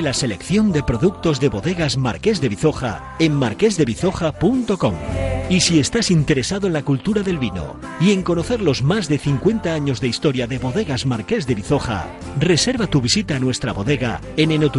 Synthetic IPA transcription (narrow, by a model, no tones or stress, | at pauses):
lase̞le̞kθjo̞nd̪e̞pɾo̞ðuk̚t̪o̞zðe̞βo̞ðe̞ɣazma̰ɾke̞zðe̞βiθo̞xa̰ | e̞mmaɾke̞zðe̞βiθo̞xapunt̪o̞ko̞misie̞st̪asint̪e̞ɾe̞saðoenlakult̪uɾaðe̞lβino̞̰ | ie̞ŋko̞no̞θe̞ɾlo̞zmazðe̞θiŋkwe̞nt̪aaɲo̞zðe̞ist̪o̞ɾjaðe̞βo̞ðe̞ɣazmaɾke̞zðe̞βiθo̞xa̰ | re̞se̞ɾβat̪uβisit̪aːnwe̞st̪ɾaβo̞ðe̞ɣa̰ | e̞nenot̪u